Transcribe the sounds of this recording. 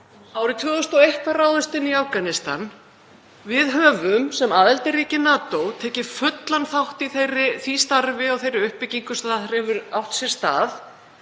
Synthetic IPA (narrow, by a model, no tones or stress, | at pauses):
aːwɾɪt̪ʰvʏːðʏst̪ɔejht̪araːwðʏst̪ɪnːiafkanɪst̪a̰n | vɪðɦœːvʏmsɛmaːðɛlt̪ɪriːcɪnaːt̪owt̪ʰɛːcɪ̥fʏt̪lanθawht̪iθejrːɪθist̪aɾvɪɔɣθejɾɪʏhpːɪciŋkʏst̪aaθɾɛvʏɾawht̪sjɛɾ̥st̪a̰ːθ